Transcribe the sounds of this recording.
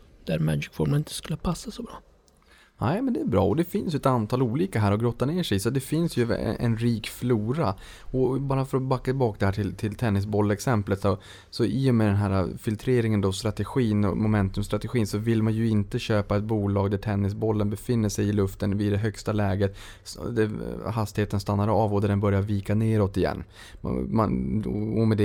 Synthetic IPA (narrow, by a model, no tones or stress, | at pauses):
d̪̥æɾmæ̰ːd͡ʒɪkfɔɾmnɪnt̪ə̥skɵlːəpʰasːasɔbɾɑː | nɛɪmɛnd̪ɛːɾbɾɑ̰ːɔd̪ɛfɪnsjɵɛt̪ant̪ʰɑːluːliːkaɦæːɾɔɡɾɔt̪ːaneːʂɛjsɔt̪̚d̪ɛfɪnsjɵ̰ɛ̰nɾiːkfluːɾaɔbɑːɾafœɾɔbakːat̪ɪbɑːkd̪ɛhæːʈʰɪlt̪ʰɪlt̪ʰɛnːɪs̬bɔlːɛksɛmplət̪sɔ | sɔɪːjɔmɛd̪ɛnɦæːɾafɪlt̪ʰɾeːɾɪŋənd̪ɔst̪ɾat̪ɛɧiːnɔ̰mʊmɛnt̪ɵmst̪ɾat̪ɛɧiːnsɔvɪlmanjɵɪnt̪əɕøːpaɛt̪̚buːlɑːɡd̪æʈʰɛnːɪs̬bɔlːənbɛfɪnːəʂɛjɪlɵft̪ənvɪd̪ɛɦœkst̪alɛːɡət̪ | d̪æɾɦast̪ɪheːt̪ənst̪anːaɾɑːvɔd̪æɖɛnbœɾjaɾviːkaneːɾɔt̪ɪjɛ̰nː | ma̰ɔmɛd̪ɛ